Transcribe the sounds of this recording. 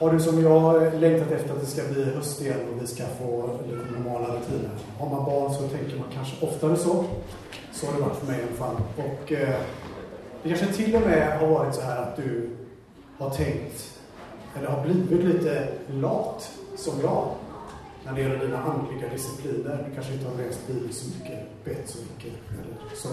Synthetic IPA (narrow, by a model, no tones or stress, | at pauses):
haɖɵsɔmjɑlɛŋkt̪ʰat̪ɛft̪əɾat̪d̪ɛskabliːɦɵst̪ɪɛlɔvɪskafoːlit̪ənɔɾmɑːlaɾɵt̪ʰiːnən | hɑːmabɑːɳsɔt̪ʰɛŋkəɾmankʰanʂəʔɔft̪ahaɾɛsɔ | sɔhaɖɛvaʈːfœɾmɛjɛnfalːɔk | d̪ɛkʰanʂət̪ʰɪlːɔmɛɦaɾvɑːɾɪt̪sɔɦæːɾat̪̚d̪ɵ | haʈʰɛŋkt̪ | ɛlːəɾɦaɾbliːvɪt̪liːt̪əlɑːt̪sɔmj̪ɑː | næɖɛjɛlːəɖiːnaʔand̪lɪɡad̪ɪsɪpʰliːnəɾd̪ɵkʰanʂəɪnt̪əhaɾlɛːst̪biːlsɔmʏkːəb̥ɛt̪ːsɔmʏkːəa̰ɾḭːd̪sɔ